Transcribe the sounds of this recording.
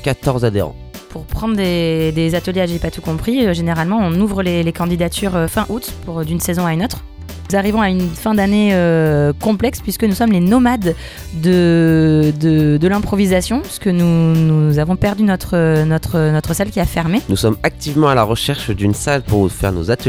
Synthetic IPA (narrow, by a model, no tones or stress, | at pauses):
kʲat̪ɔʁzad̪ḛʁɑ̰̃ | pʰuʁpχɑ̃d̪ʁd̪ed̪ezat̪əljeaʒeepat̪ukɔ̃pχiøʒeneʁalmɑ̃ɔ̃nuvʁəlelekɑ̃d̪id̪at̪ʰyʁøfɛ̃ʔut̪puʁd̪ynsezɔ̃aynot̪χ | zaʁivɔ̃aynfɛ̃d̪aneøkɔ̃plɛkspɥiskənusɔmlenɔmad̪ː | ə | d̪əd̪əlɛ̃pχɔvizasjɔ̃piskənunuzavɔ̃pɛʁd̪ynɔt̪χənɔt̪χənɔt̪χəsalkʲiafɛʁmenusɔmak̚t̪ivmɑ̃alaʁəʃɛʁʃd̪ynsalpuʁfɛ̰ʁno̰zat̪ə